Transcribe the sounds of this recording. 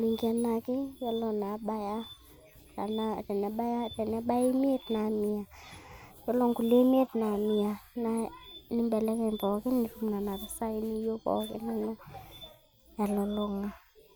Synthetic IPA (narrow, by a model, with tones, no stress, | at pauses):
li˨ŋɡi˦a˨na˧kɪ˦jɔ˦lɔ˨na˨˦ɓa˦ja˦ | ta˨natɛ˨n˨a˨ba˦ja˦tɛ˨n˦a˦ɓa˦ji˦mi˦e˦tna˨mi˨a˨ | jɔ˦lɔ˦ŋku˨le˦me˦tna˨mi˨a˨na˦ni˦mbɛ˨lɛ˦kɛ˦mpɔ˨kɪ˦ni˨ɾumna˨na˨ɾa˨sa˦i˦ni˦jo˦pɔ̰˨kɪ̰˦na˨na˦ | ja˨lɔ˨lɔ˦ŋa˨